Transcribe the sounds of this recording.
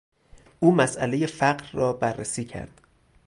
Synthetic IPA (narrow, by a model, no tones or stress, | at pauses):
ʔuːmæsʔæleje̞fæɢɾːɒːbærːesiːcʰæ̰ɾd̪̥